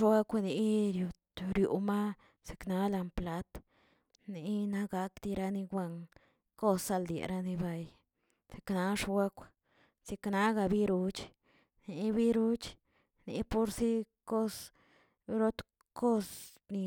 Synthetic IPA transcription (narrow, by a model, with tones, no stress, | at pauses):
wa˦kʷa˧ni˨˧ɾju˨˧ | ɾjṵ˨ma˦ | si̥˨kna˦la˧mpla˧˦t̪ | ni˨˦na˦ɡa˨˦kd̪i˧ɾa˧ni˧ɡʷa˧ŋ | ko˦sːa˧ld̪ḛ˨ɾa˧ni˧ba˧j | se̥˨kna˨˦ʂwa˦kʷ | si˧kna˦ɡa˧bi˦ɾu˧t͡ʃ | ni˨˧bi˦ɾu˦t͡ʃ | nḭ˨po˦ɾsi˦ | ko˦s | ɾo˦t̪ | ko˦s | ni˧